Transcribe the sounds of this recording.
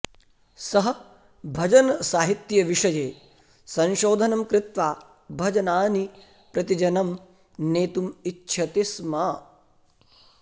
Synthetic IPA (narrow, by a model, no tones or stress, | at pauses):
sɐɦɐ̆ | bʱɐd͡ʒɐnsaːɦit̪jɐʋiʂɐjeː | sɐ̃nʃoːd̪ʱɐnɐmkɾɪt̪ʋaː | bʱɐd͡ʒɐnaːni | pɾɐt̪id͡ʒɐnɐm | neːt̪umitːʃʰɐt̪ismɐ